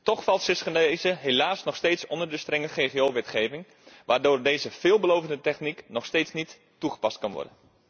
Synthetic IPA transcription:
tɔχfɑlˠtsɪsχənezəɦelaːsnɔχsteːtsɔndərdəstrɛŋəχejχeoʋɛtχejvɪŋ | ʋaːrdʊːrdejzəv̥ɪːlˠbəlowvəndətɛχniknɔχsteːsnitːuχə̥pɑstkɑnʋɔ̰rdə̰n

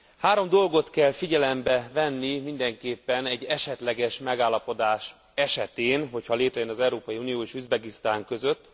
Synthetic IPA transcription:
haːɾo̞md̪o̞lɡo̞t̪kɛlfiɟɛlɛmbɛvɛnːimind̪ɛŋkeːpːɛnɛɟːɛʃɛt̪lɛɡɛʃmɛɡaːlːɒpo̞d̪aːʃ | ɛʃɛt̪eːnɦo̞chɒleːt̪ɾɛjønɒzɛwɾoːpɒjiunijoːeːʃyzbɛɡist̪aːŋkø̞zø̞t̪ː

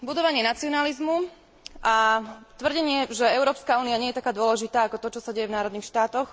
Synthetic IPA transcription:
bud̪ɔʋaɲɪɛnat͡siɔnalizmu | ʔat̪ʋrɟɛɲɪɛʒɛɛʊɾɔːpskauːniaɲɪɛjɛt̪akaːd̪ʊɔlɛʒit̪aːakɔt̪ɔt͡ʃɔsaɟɛjɛvnaːɾɔd̪niːxʃt̪aːt̪ɔx

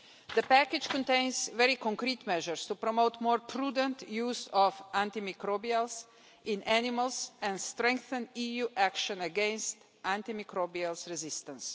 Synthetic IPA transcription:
d̪əpækɪd͡ʒkɔ̃nt̪ẽɪnsvɛɾikɔ̃ŋkɾiːt̪mɛʒəɾst̪upɾɔmot̪moːɾpʰɾuːd̪ə̃nt̪juːzɔfãnt̪imikɾobials | ɪ̃nʔænɪmalsɛ̃nst̪ɾɛ̃ŋkθə̃nijuːʔækʃɔ̃nəɡɛ̃nst̪ | ãnt̪imikɾobialsɾɛzɪst̪ə̃ns

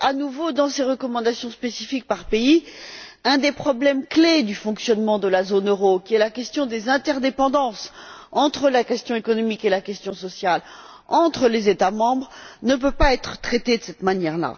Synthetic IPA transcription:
anuvod̪ɑ̃seʁəkɔmɑ̃d̪asjɔ̃spesifik̚paʁpei | ɛ̃d̪epχɔblɛmkled̪yfɔ̃ksjɔnmɑ̃d̪əlazonøʁokʲiɛlakʲɛst̪jɔ̃d̪ezɛ̃t̪ɛʁd̪epɑ̃d̪ɑ̃sɑ̃t̪χəlakʲɛst̪jɔ̃ekɔnɔmikelakʲɛst̪jɔ̃sɔsjal | ɑ̃t̪χəlezet̪amɑ̃bʁnəp̬øpaɛt̪χə̥t̪χet̪ed̪əsɛt̪manjɛʁla̰

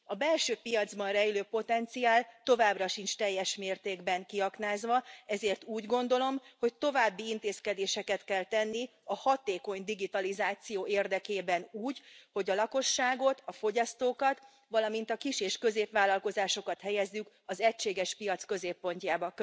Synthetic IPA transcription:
ɒbɛlʃøːpijɒd̪zbɒnrɛjiløːpo̞t̪ɛnt̪siaːlt̪o̞vaːbrɒʃint͡ʃt̪ɛjːɛʃmeːrt̪eːɡbɛŋkiɒknaːzʋɒɛzeːrt̪uːɟɡo̞nd̪o̞lo̞mho̞c̚t̪o̞vaːbːiint̪eːskɛd̪eːʃɛkɛt̪kɛlt̪ɛnːi | ɒhɒt̪eːko̞ɲd̪iɡit̪ɒlizaːt̪sijoːeːrd̪ɛkeːbɛnuːɟho̞ɟɒlɒko̞ʃːaːɡo̞t̪ɒfo̞ɟɒst̪oːkɒt̪ | ʋɒlɒmint̪ɒkiʃeːʃkø̞zeːpʋaːlɒlko̞zaːʃo̞kɒt̪hɛjɛzːyk | ɒzɛcʃeːɡɛʃpijɒt̪skø̞zeːpːo̞ɲcaːbɒk

